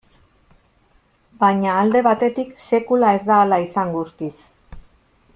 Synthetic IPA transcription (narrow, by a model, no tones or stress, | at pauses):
baɲaːld̪e̞βat̪e̞t̪ikse̞kulae̞zd̪aːlaisaŋɡust̪is